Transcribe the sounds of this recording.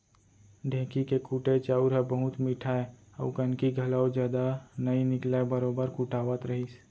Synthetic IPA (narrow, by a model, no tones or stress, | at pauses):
ɖʱẽːkikekuːʈet͡ʃaːuɾɦɛbəɦʊt̪mɪʈʰae | ə̰ʊkənkiɡʱɐlaːod͡ʒjaːd̪anɐinɪklabəɾoːbəɾkuʈaːwət̪ɾɐɦis